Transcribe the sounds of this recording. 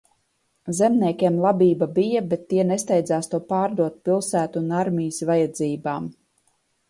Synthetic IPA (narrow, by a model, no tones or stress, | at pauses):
zɛmnʲiɛkʲɛmlˠabiːbabijabɛt̪ːiɛnest̪ɛjd̪zaːst̪uɔpaːɾd̪uɔt̪̚pilˠsæːt̪unaɾmʲijsvajad̪ziːbaːm